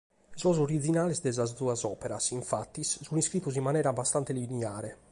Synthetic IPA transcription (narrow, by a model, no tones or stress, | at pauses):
zɔzoɾidd͡ʒinaːlɛsd̪ɛzazuazɔːpɛɾasiɱfat̪ːissuniskɾitːuzimːanɛːɾabast̪ant̪elinɛaːɾɛ